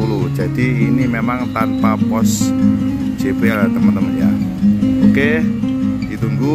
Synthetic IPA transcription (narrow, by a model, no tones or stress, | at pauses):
ulud͡ʒadiːnimemaŋt̪anpapɔs | d͡ʒ̥epealat̪əmənt̪əmənja̰ | oke | it̪uŋɡu